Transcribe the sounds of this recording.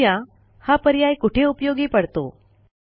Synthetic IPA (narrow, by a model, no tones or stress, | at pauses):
jã | hapəɾjajkuʈʰeupjoɡiːpəɽt̪o̰